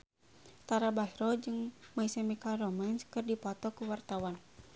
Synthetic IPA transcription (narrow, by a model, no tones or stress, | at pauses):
t̪aɾabasɾɔd͡ʒɨŋmaisɛmikaɾɔmanskɨrdipɔt̪ɔkuwart̪awan